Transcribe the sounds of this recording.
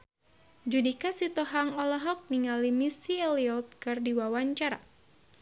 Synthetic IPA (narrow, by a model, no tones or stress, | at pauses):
d͡ʒudikasit̪ɔɦaŋɔlɔɦɔk̚niŋalimisiɛliɔt̪̚kɨrdiwawaɲt͡ʃaɾa̰